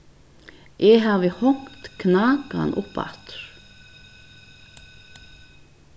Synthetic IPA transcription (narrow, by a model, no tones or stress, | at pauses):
ʔɛɦaːvɪhɔŋ̥tt̪kʰnaːka̰nʔʊ̰pa̰ht̪ɾ̥